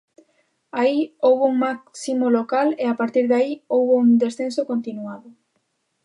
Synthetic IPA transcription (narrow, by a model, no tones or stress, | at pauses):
aiowβouŋmaksimolokaleapaɾt̪iɾðaiowβouŋd̪esθensokont̪inuaðʊ